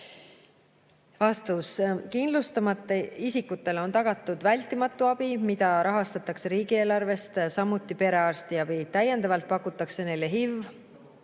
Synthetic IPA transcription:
vɑst̪ɑwskind̪lust̪ɑmɑt̪ːˑeisikːut̪ːˑe̞leo̞nt̪ɑɡ̥ɑt̪ːˑud̪̥vælʲt̪ːˑimɑt̪ːˑuɑb̥imid̪ɑɾʔɑɦɑst̪ɑt̪ːˑɑkse̞ɾiːɡieːlɑrve̞st̪sɑmːut̪ːˑipe̞ɾe̞ɑrst̪iɑb̥it̪æjend̪ɑvɑlt̪̚pɑkːˑut̪ːˑɑkse̞ne̞jleɦivː

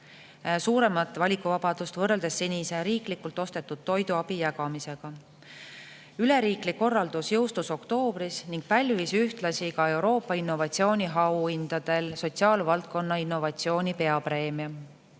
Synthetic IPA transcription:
suːɾe̞mɑt̪ːˑvɑlʲikːˑuvɑb̥ɑd̪̥ust̪vɤrːeld̪̥e̞sːenʲise̞ɾiːklikult̪ːˑo̞st̪e̞t̪ːˑud̪̥̚t̪ːo̞jd̪uɑb̥ijæɡ̥ɑmise̞ɡ̥ɑ | yle̞ɾiːklikːo̞rːɑld̪̥usjɤwst̪uso̞kt̪o̞ːb̥ɾisniŋɡ̥̚pɑlʲvisyht̪lɑsikɑe̞wɾo̞ːpːˑɑinːo̞vɑt̪sio̞ːnʲiɦɑwind̪̥ɑd̪̥e̞lso̞t̪siɑːlvɑlt̪̚ko̞nːɑinːo̞vɑt̪sio̞ːnʲipe̞ɑpre̞ːmiɑ

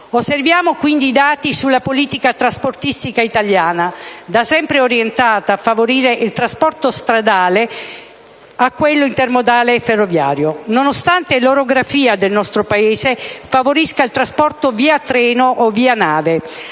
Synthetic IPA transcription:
osːervjaːmokwind̪iːd̪aːt̪isulːapoliːt̪ikat̪ɾasport̪ist̪ikait̪aljaːnad̪asɛmpɾeoɾjent̪aːt̪aːfːavoɾiːɾeʔilt̪ɾaspɔrt̪ost̪ɾad̪aːle | akːwelːoint̪ermod̪aːleferːovja̰ːɾjononost̪ant̪eloɾoɡɾafiːad̪elnɔst̪ɾopaeːzefavoɾiskailt̪ɾaspɔrt̪oviːat̪ːɾɛːnoʔovːiːanaːve

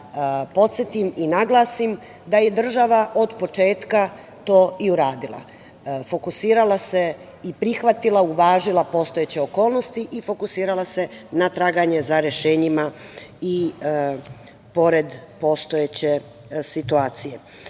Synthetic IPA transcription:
po̞t̪set̪iminaɡlˠaːsim | d̪aje̞d̪r̩ʒaʋaʔo̞d̪po̞t͡ʃe̞ːt̪ka | t̪o̞ːiuɾaːd̪ilˠa̰ | fo̞kusiːɾalˠase̞ | ipɾixʋat̪ilˠauʋaːʒilˠapo̞st̪ojet͡ɕe̞oko̞ːlˠnost̪iʔifo̞kusiːɾalˠase̞nat̪ɾaːɡaɲe̞zaɾeʃe̞ːɲimai | po̞ɾe̞d̪po̞ːst̪ojet͡ɕe̞ | sit̪uaːt̪sije̞

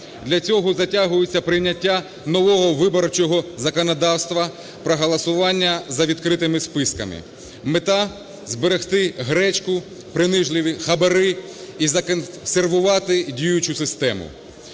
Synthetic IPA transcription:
d̪lʲɐt͡sʲɔɦɔzɐtʲaɦʊjɪt͡sʲːɐpɾɪjnʲːɐtʲːa | nɔʋɔɦɔʋɪbɔɾt͡ʃɔɦɔzɐkɔnɐd̪ɑwst̪ʋɐ | pɾɔɦɐlˠɐsʊʋɑnʲːɐzɐʋʲid̪kɾɪt̪ɪmɪspɪskɐ̰mɪ̰ | met̪ɑ | zbeɾext̪ɪɦɾɛt͡ʃkʊ | pɾɪnɪʒlˠɪʋʲixɐbɐɾɪ | izɐkserʋʊʋɑt̪ɪdʲijʊt͡ʃʊsɪst̪ɛmʊ̰

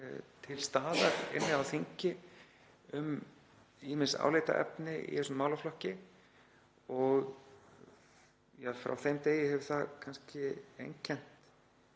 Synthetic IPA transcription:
t̪ʰɪlst̪aːðaɾɪ̰nːɪawθiɲcɪ | ʏm | iːmɪnsa̰ːwleːt̪a̰ʔɛ̰pnɪḭθɛsʏmːaːwlaflɔhcɪ | ɔɣ | jafɾa̰wθejmt̪eːjɪɦɛvʏ̥θakʰanscɪḛjɲcʰːɛn̥t̪

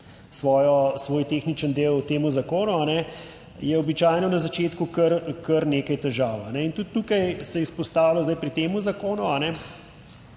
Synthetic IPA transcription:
sʋɔːjɔsʋoːjt̪exnit͡ʃənd̪eːwt̪eːmuzakoːnuanɛ | jɛɔbit͡ʃaːjnɔnazat͡ʃeːt̪kukəɾkəɾneːkajt̪ɛʒaːwanɛint̪ut̪ːuːkajsɛispɔst̪aːwlɔzd̪ajpɾit̪eːmuzakoːnuanɛ

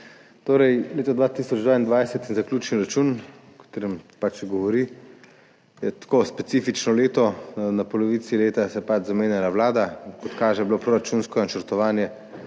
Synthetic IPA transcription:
t̪oːɾɛjleːt̪ɔd̪ʋaːt̪iːsɔd͡ʒd̪ʋaːind̪ʋajsɛt̪inzaklʲuːt͡ʃniɾat͡ʃuːn | kḁt̪eːɾɛmpat͡ʃɡɔʋɔɾi | jɛt̪koːspɛt̪iːfit͡ʃnɔleːt̪ɔnapɔlɔʋit̪sileːt̪asɛpad͡ʒzameːnjalaʋlaːd̪akɔt̪kaːʒɛblopɾoɾat͡ʃunskɔnat͡ʃɛɾt̪ɔʋaːnjɛ

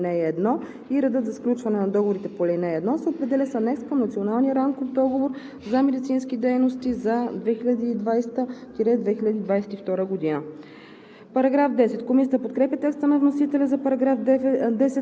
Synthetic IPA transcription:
nɛːd̪nɔ | iɾɛd̪ɤt̪zɐsklʲut͡ʃvɐnɛnɐd̪ɔɡovoɾit̪ɛpolʲɛnɛːd̪nɔsɛopɾɛd̪ɛlʲɛsɐnɛk̪skɐmnɐt̪sionalˠnijəɾamkofd̪ɔɡovoɾ | zɐmɛd̪it̪sinskid̪ɛjnost̪izɐd̪vɛxilʲɐd̪iːd̪vajst̪əkiɾɛd̪vɛxilʲɐd̪iːd̪vajsɛt̪ift̪ɔɾəɡod̪inə | pɐɾɐɡɾafd̪ɛsɛt̪komisʲət̪əpot̪kɾɛpʲət̪ɛkst̪ənɐvnosit̪ɛlʲɛzɐɡafd̪ɛsɛ

